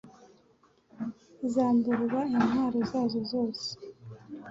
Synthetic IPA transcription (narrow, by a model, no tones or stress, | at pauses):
izaːmbuɾβainwaːɾozaːzozo̞ːse̥